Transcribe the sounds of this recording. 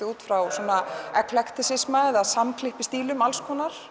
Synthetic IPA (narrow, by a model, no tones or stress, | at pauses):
ɪuːt̪fɾawsɔːnaɛkʰlɛkt̪ɪsɪsmaɛðaðsamkʰlɪhpɪst̪iːlʏmalskʰɔːnːaɾ̥